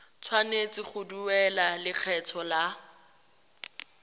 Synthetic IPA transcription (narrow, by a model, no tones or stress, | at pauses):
t͡sʰwanet͡sʼɪχʰʊduwɛlalɪk͡xʰɛt͡sʰɔla